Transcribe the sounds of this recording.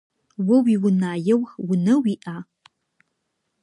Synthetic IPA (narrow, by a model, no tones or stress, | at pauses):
wɐwiwʊnaːjɛwxwʊnɐwiːʔaː